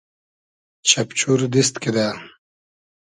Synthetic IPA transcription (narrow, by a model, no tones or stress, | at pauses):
t͡ɕʰɐpt͡ɕʰuɾd̪ist̪kid̪a